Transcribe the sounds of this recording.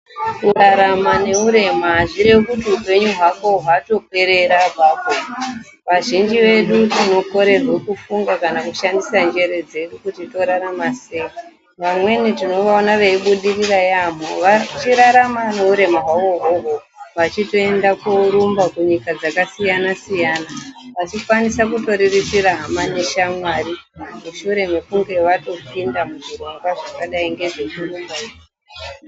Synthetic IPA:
uɾaɾamane̞uɾe̞maʐiɾekutiupe̞ɲuɦwakoɦwato̞kwe̞ɾe̞ɾabʱako | ʋaʒind͡ʒiʋe̞ɗutino̞ko̞ɾe̞rwe̞kufuŋɡakanakuʃandisand͡ʒe̞ɾe̞d͡ze̞ɗukutito̞ɾaɾamasei | ʋamwe̞nitino̞ʋaonaʋeiɓuɗirirajam̤oʋat͡ʃiɾaɾamaneuɾe̞maɦwaoɦoɦo | ʋat͡ʃito̞e̞ndakoɾumbakuɲikad͡zakasijanasijaːnaʋat͡ʃikwanisakuto̞ɾirit͡siɾaɦamaneʃamwarimuʃuɾe̞mekuŋɡe̞ʋato̞pindamuʐiro̞ŋɡwaʐakaɗaiŋɡe̞ʐet͡ʃirumba

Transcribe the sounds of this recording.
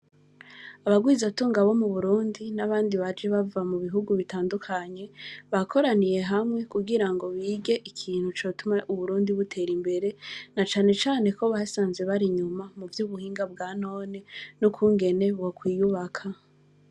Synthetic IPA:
aβaɡwiːzatuːŋɡaβo̞muβuɾuːndinaβaːndiβad͡ʒe̞βavamuβiɦuɡuβitaːndukʰaɲe̞βakʰo̞ɾanije̞ɦamŋe̞kuɡiɾaŋɡo̞βiːɡe̞ʔikʰiːn̥hut͡ʃo̞ːtumaʔuβuɾuːndiβutʰe̞ːɾimbe̞ɾe̞nat͡ʃaːne̞t͡ʃaːne̞ko̞βasaːnze̞βaɾiɲumamuvjuβuhiːŋɡabɡaːno̞ːnenukʰuŋɡe̞ne̞βwokwiːjuβakʰa

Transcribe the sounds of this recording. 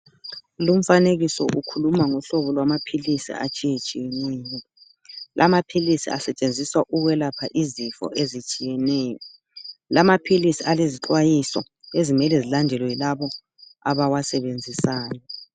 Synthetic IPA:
lum̩faneɣisɔ̰ʔukʰulumaŋuɬɔβɔlwamapʰilisḭa̰t͡ʃʼijet͡ʃʼijenɛːŋɛ | lʔamapʰilisḭa̰sɛt͡ʃʼend͡zʱiswaʔuɣwɛlapʰaʔizifɔ̰ʔezit͡ʃʼijɛnɛːjɔ | lamapʰilisialeziǁwajisɔ̰ | ezimɛlɛzilandʱɛlɔjilaβɔ | aβawasɛβend͡zʱisaːjɔ

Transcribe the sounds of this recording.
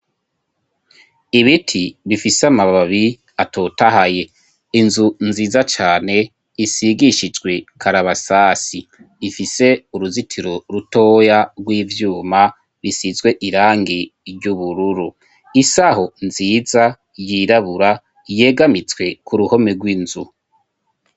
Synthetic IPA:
iβitʰiβifisamaβaβi | atʰo̞taɦaje̞ | inzunziːzat͡ʃaːne̞ | isiɡiʃid͡ʒɡwe̞kʰaɾaβasaːsi | ifise̞uɾuzitʰiɾo̞ɾuto̞ːjaɡwiːvjuːma | βisizwe̞ʔiɾaːŋɡiɾɟuβuɾuɾu | isaho̞nziːza | jiɾaβuɾa | je̞ɡamit͡swe̞kʰuɾuho̞meɡwinzu

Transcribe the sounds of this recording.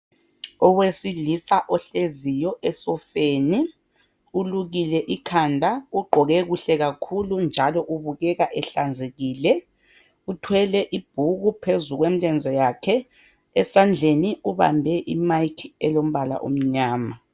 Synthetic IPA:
ɔwesilisaʔɔɬezijɔʔɛsɔfeːni | uluɣilɛʔikʰandʱauɡ͡ǃʱɔɣɛɣuɬɛɣakʰulund͡ʒʱalɔʔuβuɣɛɣaʔɛɬand͡zʱeɣiːlɛ | utʰwɛlɛʔib̥̚ʱuɣupʰezuɣwem̩lɛnd͡zʱɛjakʰɛ | ɛsand͡ɮʱeniuβa̰mbʱɛʔimajkʰɛlom̩βala̰ʔṵm̩ɲaːma

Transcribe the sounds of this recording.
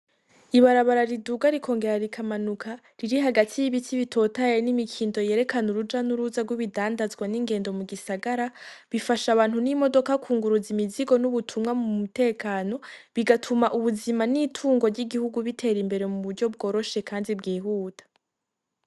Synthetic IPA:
iβaɾaβaɾaɾiduɡaɾikʰo̞ːŋɡe̞ɾaɾikʰamanukʰa | ɾiɾiɦaɡatʰijiβitiβitʰo̞ːtaenimikʰiːndo̞je̞ɾe̞kanuɾud͡ʒanuɾuzaɡwiβidaːndazɡwaniŋɡe̞ːndo̞muɡisaɡaɾaβifaʃaβaːnhunimo̞do̞kakʰuːŋɡuɾuzimiziɡo̞nuβutʰumŋamumute̞ːkaːno̞βiɡatʰumaʔuβuzimanitʰuːŋɡo̞ɾɟiɡihuɡuβitʰe̞ɾimbe̞ɾe̞muβuɾɟo̞b̚ɡo̞ːɾo̞ʃe̞kaːndibɡiːɦuːtʰḁ

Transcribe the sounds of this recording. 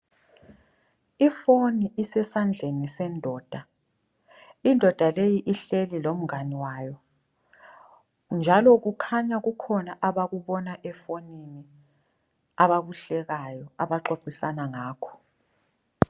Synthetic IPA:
ifoniʔisɛsand͡ɮʱenisɛndʱɔːd̥ʱa | indʱɔd̥ʱalejiʔiɬelilom̩ŋaniwaːjɔ | nd͡ʒʱalɔɣukʰaɲaɣukʰɔnaʔaβaɣuβɔnaʔɛfonini | aβaβuɬɛɣajɔaβaǃoǃisanaŋaːkʰɔ̥

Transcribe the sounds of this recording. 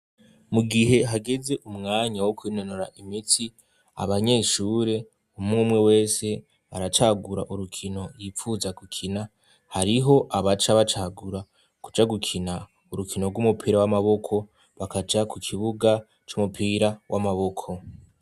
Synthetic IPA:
muɡiɦe̞ɦaɡe̞ze̞ʔumŋaːɲawokwiːno̞no̞ɾaʔimiti | a̰βaɲe̞ːʃuːɾe̞ | umŋuːmwe̞we̞ːse̞ | aɾat͡ʃaɡuɾa̰ʔuɾukʰino̞ɾjiːfuːzaɡukʰina | haɾiɦo̞ʔaβat͡ʃaβat͡ʃaɡuɾa | ku̥d͡ʒaɡukʰina | uɾukʰino̞ɡumupʰiːɾawamaβo̞kʰo̞ | βakad͡ʒakukʰiβuɡa | t͡ʃumupʰiːɾawʔamaβo̞kʰo̞

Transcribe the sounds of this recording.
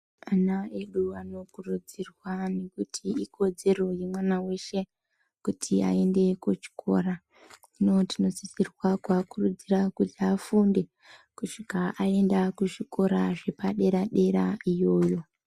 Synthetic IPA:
anae̞ɗuano̞kurud͡zirwane̞kutʰiiko̞d͡ze̞ro̞jemwanawe̞ʃe̞ | kutʰia̰e̞nde̞kut͡ʃi̥kʰo̞̰ra | ino̞tino̞zisirwakwakurud͡zirakutafunde̞ | kuʂikaʔae̞ndakuʐiko̞ɾaʐe̞paɗe̞ɾaɗe̞ɾaijo̞ːjo̞

